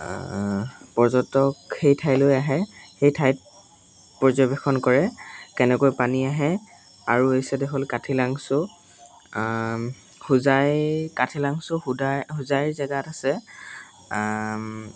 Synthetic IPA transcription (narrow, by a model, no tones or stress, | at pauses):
pɔɹzɔtɔkxejtʰajlojaɦɛxejtʰajt̚ | pɔzɔbɛxɔnkɔɹɛkɛnɛkojpaniaɦɛ | aɹuejsɛdɛɦolkatʰilaŋsʊ | huzajkatʰilaŋsʊhudahʊzajzɛɡatasɛ